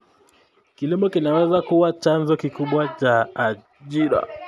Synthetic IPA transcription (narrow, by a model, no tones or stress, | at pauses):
kilimɔkinawɛzakuwat͡ʃanzɔkikuɓwat͡ʃaː | ʄiɾa̰